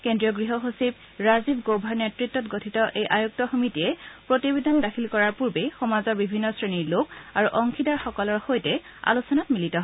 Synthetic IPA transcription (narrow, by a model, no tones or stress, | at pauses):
kendɹijɔɡɹiɦɔɦosib | ɹazibɡobʱaɹnetɹitːɔtɡotʰitɔʔejʔajuk̚tɔxomitiɛpɹotibedandakʰilkɔɹaɹpuɹbexɔmazɔɹbibʱinːɔsɹeniɹlokaɹuʔɔŋkʰidaɹxɔkɔlɔɹxojtɛ | a̰lusɔnatmilitɔɦ